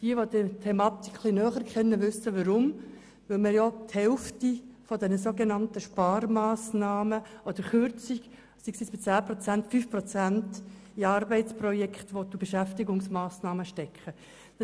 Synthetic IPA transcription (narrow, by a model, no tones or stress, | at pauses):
d̥iəʋod̥ətʰemɑːt̪ikχlinœːχəɾkχɛnːəʋʏsːəʋəɾʊm | ʋɪlmɪːɾjɔthɛlftifɔdɛnəsoːɡenɑntəʃpɑːɾmɑːsnɑːməʔɔd̥̪əɾχʏɾt͡siɡ | siksisb̥ɪt͡sæːpɾɔt͡sæntfyːfpɾɔt͡sænt | iɑɾbɛɪtt͡spɾɔjɛkχtʋodub̥eʃæftɪɡʊŋsmɑːsnɑːməʃtɛkχə̥